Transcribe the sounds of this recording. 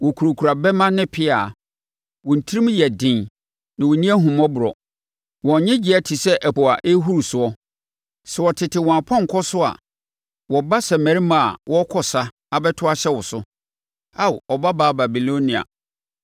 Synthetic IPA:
wɔ˨kʰu˨ɾo˨kʰu˨ɾa˨bɛ˦mã˦nɪ̃˦pʰɪ˦a˨ | wɔ˨n̩˨tʰi˦ɾi˦m̃˦jɛ˨dɪ̃˨n | nã˨wɔ˨nĩ˦ɛ˦ɦũ˨m˦ɔ̃˦bʊ˨ɾɔ̰˨ | wɔ̃˨˦ɲɛ̃˦d͡ʑi˨˦ɛ˦tʰi˨sɛ˦ʔɛ˨pɔ˨a˨ʔe˦ɦu˦ɾu˨sʊ˨ɔ˦ | sɛ˨wɔ˨tʰɪ˨tʰɪ˨wɔ̃˨a˨pʰɔ̃˦ŋ̩˨kʰɔ˦sʊ˦a̰˨ | wɔ˨ba˦sɛ˨mæ̃˨ɾi˦mã˦˨a̰˨wɔ˦kʰɔ˨sa˦ | a˨bɛ˦tʰʊ˦a˦ɕɛ˦wʊ˨sʊ˦ | a˦˨ɔ˨ba˦baː˨˦ba˨bi˨lõ˦nĩ˨a̰˨

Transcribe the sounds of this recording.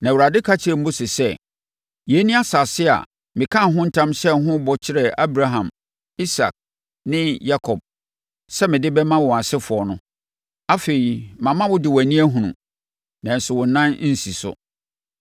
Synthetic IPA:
nã˨wʊ˨ɾa˨dɪ˦kʰa˦t͡ɕʰɪ˨ɾɪ˨m̩˦bʊ˦sɪ˨sɛ˦ | jɛ˨˦nĩ˦a˦sa˨sɪ˦a̰˨ | mɪ̃˨kʰã˦˨ɦʊ̃˦n̩˦tʰã˦msɛ˦ɦʊ̃˦bɔ˨t͡ɕʰɪ˦ɾɛ˨a˦bɾa˦ɦã˨m | i˦sa̰˨k̚ | nɪ̃˦ja˦kʰɔ˨b̚ | sɛ˦mɪ̃˨dɪ˦bɛ˦mã˦wɔ˨a˨sɪ˦fʊ˨ɔ˨nʊ̃˦ | a˦fe˨i˨mã˨mã˦wʊ˦dɪ˨wæ˨nĩ˦æ˦ɦũ˨nṵ̃˨ | nã˨n̩˨sʊ˨wʊ̃˨n˨nã˦n˦n̩˦si˨sʊ̰˦

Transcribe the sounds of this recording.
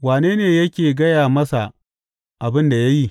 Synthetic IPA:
waː˨neː˦neː˨jɐ˦kʲeː˨ɡɐ˦jaː˨mɐ˦sa˨ | ʔa˨bɪ˦nda˨ja˦ji˦˨

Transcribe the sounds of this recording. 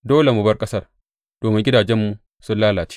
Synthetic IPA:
doː˦le˨mu˨bɐ˦rkʼɐ˦sɐ˦˨r | d̥oː˨mɪ˦ŋɡʲɪ˦daː˨d͡ʒɛ˦mːu˨ | sʊ˦nlaː˦laː˨t͡ʃi̥ː˦

